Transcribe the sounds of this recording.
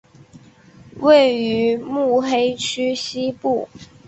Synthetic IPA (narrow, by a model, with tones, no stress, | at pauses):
we˥˩ɪy˧˥mu˥˩xe˥ɪt͡ɕʰy˥ɕi˥pu˥˩